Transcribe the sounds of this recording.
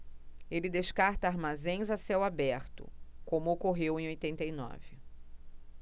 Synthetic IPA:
elɪd̪eʃkaɾt̪ɐaɾmazẽj̃zasɛwabɛɾt̪ʊ̰kõmʊokoɦewẽj̃ojt̪ẽnt̪ejnɔ̰vɪ

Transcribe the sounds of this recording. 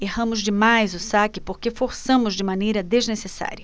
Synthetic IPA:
ehɐ̃mʊzd͡ʒɪmajzʊsakɪpoɾkefoɾsɐ̃mʊzd͡ʒɪmɐ̃nejɾɐd̪eznesesa̰ɾʲɐ

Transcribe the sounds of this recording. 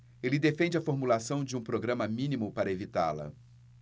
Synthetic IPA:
elɪd̪efẽnd͡ʒɪɐfoɾmulasɐ̃w̃d͡ʒɪũpɾoɡɾɐ̃mɐmĩnimʊpaɾɐevit̪a̰lɐ̰

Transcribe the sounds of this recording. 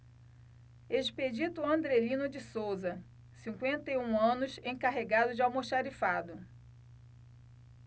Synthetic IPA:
eʃped͡ʒit̪ʊɐ̃nd̪ɾelĩnʊd͡ʒɪsowzɐ | sĩŋkwẽnt̪ejũɐ̃nʊsẽj̃kaɦeɡad̪ʊd͡ʒɪawmoʃaɾifad̪ʊ

